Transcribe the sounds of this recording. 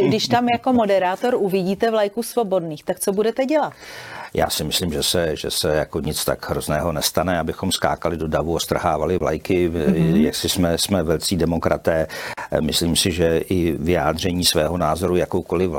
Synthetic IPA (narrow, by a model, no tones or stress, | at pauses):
ɡdɪʃt̪amjako̞mo̞dɛɾaːt̪o̞ɾʔuvɪɟiːt̪ɛvlajkuːsvo̞bo̞dniːxt̪ak̚t͡sobudɛt̪ɛɟɛlat̪ja̰ːsɪmɪslimʒɛsɛʒɛ̰sɛjako̞ɲɪt͡st̪aɡɦɾo̞znɛːɦo̞nɛst̪anɛabɪxo̞mska̰ːkalɪdodavuost̪raɦaːvalɪvla̰jkɪja̰ksɪsmɛsmɛvɛlt͡siːdɛmo̞kɾʔa̰t̪ɛːmɪsliːmsɪʒɛʔɪvɪja̰ːd̪r̝ɛɲiːsvɛːɦo̞naːzo̞ɾujakowkolɪv